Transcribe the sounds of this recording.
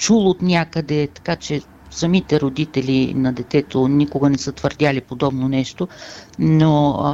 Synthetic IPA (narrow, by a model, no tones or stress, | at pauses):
t͡ʃulˠot̪nʲakəd̪ɛt̪ɐ̥kat͡ʃɛ | sɐmit̪ɛɾod̪it̪ɛlinɐd̪ɛt̪ɛt̪onikoɡənɛsət̪vəɾd̪ʲalipod̪ɔbnonɛʃt̪ono